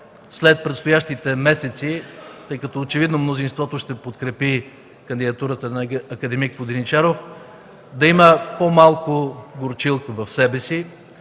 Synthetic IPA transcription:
slɛt̪̚pɾɛt̪st̪ojaʃt̪it̪ɛmɛsɛt̪sit̪ɤjkɐt̪ɔot͡ʃɛvid̪nomnozinst̪vɔt̪oʃt̪ɛpot̪kɾɛpi | kɐnd̪id̪ɐt̪uɾət̪ənɐɐkɐd̪ɛmikvod̪init͡ʃaɾof | d̪ɐiməpomalˠkoɡoɾt͡ʃilˠkəvɐfsɛbɛsi

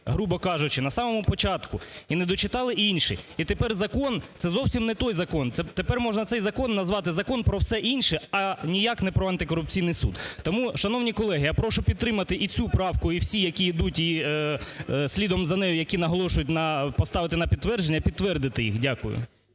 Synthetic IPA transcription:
ɦɾubɔkɑʒʊt͡ʃɪnɐsɑmɔmʊpɔt͡ʃɑt̪kʊinɛd̪ɔt͡ʃɪt̪ɑlˠɪinʲʃɪ̰it̪epɛrzɐkɔnt̪ɛzɔwsʲimnɛt̪ɔjzɐkɔnt̪ɛt̪epɛrmɔʒnɐt̪sɛjzɐkɔnːɐzʋɑt̪ɪzɐkɔnpɾɔwsɛʔinʲʃɛɐnʲijɑknɛpɾɔɐnt̪ɪkɔɾʊp̚t͡sʲijnɪjsṵd̪t̪ɔmuʃɐnɔwnʲikɔlˠɛɦɪjapɾɔʃʊpʲid̪t̪ɾɪmɐt̪ɪʔit͡sʲupɾɑwkʊiwsʲijɐkʲiːd̪utʲi | sʲlʲid̪ɔmzɐnɛjʊjɐkʲinɐɦɔlˠɔʃʊjʊtʲnɐpɔst̪ɑʋɪt̪ɪnɐpʲid̪t̪ʋɛrd͡ʒenʲːɐpʲid̪̚t̪ʋɛrd̪ɪt̪ɪjḭxdʲakʊ̰jʊ̰

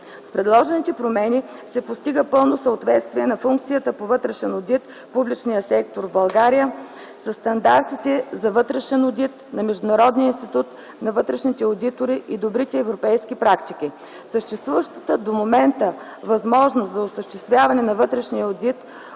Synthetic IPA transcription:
spɾɛd̪lˠɔʒɛnit̪ɛpɾomɛni | sɛpost̪iɡəpɤlˠnosəot̪vɛt̪st̪viɛnɐfuŋk̚t̪sijət̪əpovɤt̪ɾɛʃɛnod̪it̪ | publit͡ʃnijəsɛk̚t̪oɾvbɐlˠɡaɾijə | səst̪ɐnd̪aɾt̪it̪ɛzɐvɤt̪ɾɛʃɛnod̪it̪nɐmɛʒd̪ʊnɐɾɔd̪niəinst̪it̪ut̪ | nɐvɤt̪ɾɛʃnit̪ɛod̪it̪oɾiʔid̪obɾit̪ɛːvɾopɛjskipɾakt̪ik̟i | səʃt̪ɛst̪vuvəʃt̪ə̥t̪əd̪omomɛnt̪ə | vɐzmɔʒnoszɐosəʃt̪ɛst̪vʲjavɐnɛnɐvɤt̪ɾɛʃnijəod̪it̪

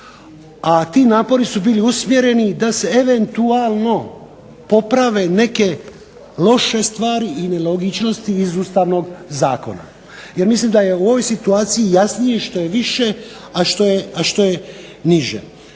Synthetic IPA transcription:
at̪iːnaːpo̞ɾisubiːliusmje̞ɾe̞nid̪ase̞eʋe̞nt̪uaːlˠno̞ | po̞pɾaʋe̞ne̞ke̞ | lo̞ʃe̞st̪ʋaːɾiːnelo̞ɡit͡ʃno̞st̪iːzuːst̪aːʋno̞ɡzaːko̞̰na̰ | je̞ɾmislimd̪aje̞uo̞ʋo̞jsit̪uaːt̪sijijasnijeʃt̪o̞jeʋiʃe | aʃt̪o̞jeaʃt̪o̞je | niʒḛ

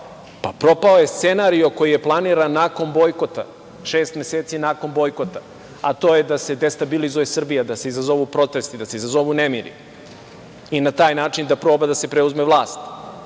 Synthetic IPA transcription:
papɾo̞paoje̞st̪se̞naɾio̞ko̞jije̞plˠaniːɾanːaːko̞nbo̞jko̞t̪a̰ | ʃeːst̪meseːt̪sinaːko̞nbo̞jko̞t̪a | at̪oːje̞d̪ase̞d̪est̪abilizuje̞sr̩bijad̪ase̞izazo̞ʋupɾo̞t̪e̞st̪id̪ase̞izazo̞ʋunemiɾḭ | inat̪aːjnaːt͡ʂind̪apɾo̞ːbad̪ase̞pɾeuzmeʋlˠaːst̪

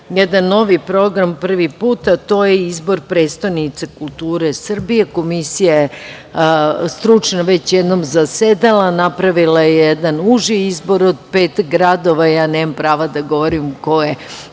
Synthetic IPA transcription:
jed̪anːo̞ʋipɾo̞ɡɾampr̩ʋipuːt̪at̪o̞ːjeizbo̞ɾpɾe̞ːt̪st̪anit̪sekulˠt̪uːɾe̞sr̩bije̞ko̞misijaje | st̪ɾut͡ʂnoʋet͡ɕjed̪no̞mzased̪alanapɾaʋilajejed̪anuʒiizbo̞ɾod̪̚peːt̪ɡɾad̪o̞ʋajaːneːmampɾaːʋad̪aɡo̞ʋoɾimko̞je

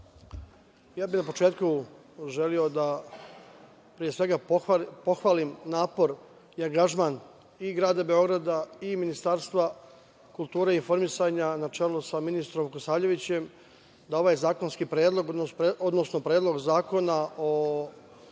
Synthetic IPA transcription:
jaːbinapo̞t͡ʃeːt̪ku | ʒe̞lio̞d̪a | pɾije̞sʋe̞ɡapo̞xʋaːlimnaːpo̞ɾ | iaŋɡaʒmaːn | iɡɾaːd̪abe̞o̞ɡɾad̪aiminist̪aɾst̪ʋa | kulˠt̪uːɾeinfo̞ɾmisaɲanat͡ʃe̞ːlusaminist̪ɾomkosaːʎe̞ʋit͡ɕe̞m | d̪aoʋaːjzaːko̞nskipɾeːd̪lˠo̞ɡod̪nosno̞pɾe̞ːd̪lˠo̞ɡzaːko̞nao

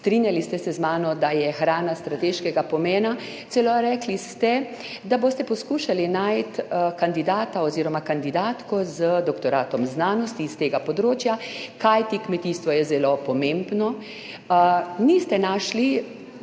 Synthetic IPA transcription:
st̪ɾinjalist̪ɛsɛzmaːnɔd̪ajɛxɾaːnast̪ɾat̪eʃkɛɡapɔmɛːna | t̪sɛloɾɛːklist̪ɛ | d̪aboːst̪ɛpɔskuːʃalinajt̪kand̪id̪aːt̪aɔziːɾɔmakand̪id̪aːt̪kɔzəd̪ɔkt̪ɔɾaːt̪ɔmznaːnɔst̪iːst̪eːɡapɔd̪ɾoːt͡ʃjakajt̪ikmɛt̪iːst̪ʋɔjɛzɛlopɔmembnɔ | nist̪ɛnaʃli

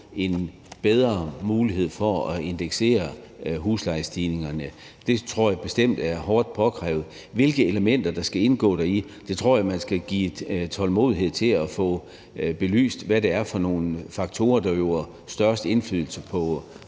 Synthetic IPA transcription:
e̝n | b̥eð̞ˠʁɐmuːliɦe̝ð̞̰ˠfɒɒe̝nd̥eɡ̥se̝̰ːɐɦuːslɑ̈ɪsd̥iːne̝ŋɐnə | d̥e̝t͡sʰʁo̝ɐ̰jɑ̈ɪb̥e̝sd̥em̰d̥æɐɦɒːd̥̚pʰɒ̽ɡ̥ʰʁɛ̰ːʊð̩ˠ | ʋe̝lɡ̥əe̝ləmen̰d̥ɐd̥ɑ̈sɡ̥æe̝nɡ̥ɔ̰̽ːɾ̥æi | d̥e̝t͡sʰʁo̝ɐ̰jɑ̈mænsɡ̥æɡ̥ḭːt͡sʰɒ̽lmo̝ːðˠiɦe̝ð̞̰ˠt͡sʰe̝læfɔ̰̽ː | b̥e̝ly̰ːsd̥ʋæɾe̝æɐfɒ̽no̝ːnfɑ̈ɡ̥̚t͡sʰo̝ːɐd̥ɑjo̝æɐ | sd̥ɶɐsd̥e̝nfyðˠl̩səpʰɒ̽

